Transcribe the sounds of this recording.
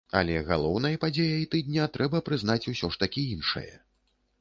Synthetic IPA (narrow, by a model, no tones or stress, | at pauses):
a̰lʲɛɣalˠɔwnɐjɐpad͡zʲejɐjit̪ɨd̪̚ʲnʲat̪ɾʔɛbɐpɾɨzn̪at͡sʲusʲɔʂt̪akʲiinʂɐ̰jɐ̰